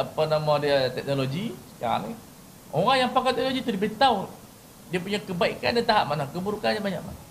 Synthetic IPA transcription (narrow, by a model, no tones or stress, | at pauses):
apanamãdiat̪ɛk̚noloɡisə̥kaa̰li | oɾaŋjaŋpakat̪ɛk̚noloɡit̪uɾibit̪aw | diapuɲakəbaika̰ndat̪aɦaʔ̚manakəbuɾukanɲabaɲa̰ʔ̚ma̰na